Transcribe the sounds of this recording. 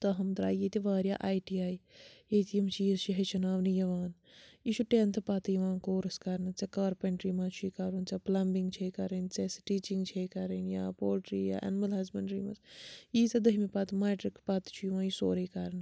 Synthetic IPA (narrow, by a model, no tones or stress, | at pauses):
t̪ɐɦɐmd̪ɾa̰ːjjet̪iʋaːɾja̰ːʔaːiʈiaːijet̪ijɐmt͡ʃiːzt͡ʃiɦɐt͡ʃɐnaːʋnijɐʋaːn | iʃʰuʈeːnt̪ʰɨpɐt̪ijʋãːnkoːɾɐskɐɾnɨt͡sɐkaːɾpɐɳʈɾiːmãt͡ʃʰuikɐɾunt͡sɐplɐmbiŋɡt͡ʃʰeːkɐɾent͡sesʈiːt͡ʃiŋɡt͡ʃʰeːkɐɾenja̰ːpoːlʈɾiːja̰ːʔɐ̰nmɐlɐzpɐɳʈɾḭːmɐ̰sjiːt͡sɐd̪ɐɦimipɐt̪meːʈɾikpɐt̪t͡ʃʰujʋãːjisoːɾeːkɐɾnɨ